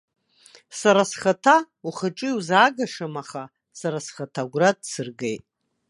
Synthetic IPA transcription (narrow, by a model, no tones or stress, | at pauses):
saɾasχatʰa | uχəʈ͡ʂʼɨwzaːɡaʂamaχa | saɾasχatʰaɡʷradsɨrɡejtʼ